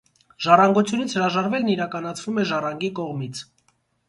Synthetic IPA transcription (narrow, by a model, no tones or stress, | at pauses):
ʒ̥ɑrɑŋɡɔt͡sʰjunit͡sʰhəɾɑʒɑɾvɛlniɾɑkɑnɑt͡sʰvumɛʒɑrɑŋɡikɔʁmit͡sʰ